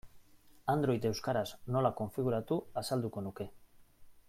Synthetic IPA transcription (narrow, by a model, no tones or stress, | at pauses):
and̪ɾo̞jt̪e̞wskaɾazno̞lako̞ɱfiɣ̞uɾat̪uasald̪uko̞nuke̞